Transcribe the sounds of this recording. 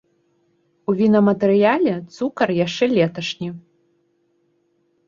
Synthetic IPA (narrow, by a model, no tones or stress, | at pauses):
uvʲinɐmɐt̪ɛɾɨjalʲɛt̪sukɐrjaʂt͡ʂɛlʲɛt̪ɐʂnʲi